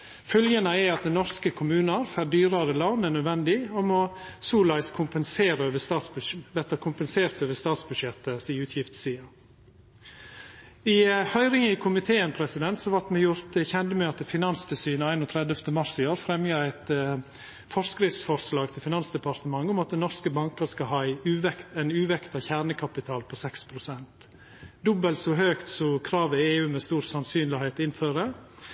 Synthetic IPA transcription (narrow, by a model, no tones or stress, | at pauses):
fœljənəɛɑt̪̚d̪ɛnnɔɾskəkʰʊmʉːnəɾfæɾd̪yːɾəɾəlɑːnənœd̪ʋɛnd̪ɪɔmɔsuːlɑɪskʰʊmpənseːɾəøːʋəst̪ɑːt̪sbʋɛt̪əkʰʊmpənseːɾt̪øːʋəst̪ɑːt̪sbʉʃɛt̪ːəsiːʉːt̪ʰjɪft̪siːɑ | ɪhœʏɾɪŋəɪkʰʊmɪt̪ʰeːənpʰɾɛsɪd̪ɛnt̪sɔʋɑʈ̪mɛjʊɾt̪çɛnd̪əmøːt̪əfɪnɑnst̪ʰəsyːnəæɪnɔːt̪ʰɾɛd̪əft̪əmɑɾsɪoːɾfɾɛmjɑæɪt̪ə | fɔɾskɾɪft̪sfɔɾslɑːɡt̪ʰɪfɪnɑnsd̪ɛpɑɾt̪əmɑŋːʊmɑt̪̚d̪ɛnɔɾskəbɑŋkəskɑɦɑːɪʉːʋɛkt̪æɪnʉːʋɛkt̪ɑçæːɾɳəkʰɑpɪt̪ʰɑːlpʰɔsɛkspʰɾʊsɛnt̪ | d̪ɔbəlsɔɦøːkt̪sɔkʰɾɑːʋəeːʉːmɛːst̪uːɾsɑnsyːnlɪheːt̪ɪnføːɾə